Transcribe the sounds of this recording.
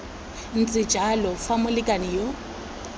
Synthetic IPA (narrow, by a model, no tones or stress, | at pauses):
n̩t͡sʼɪd͡ʒʱalɔfamʊlɪkʼanɪjɔ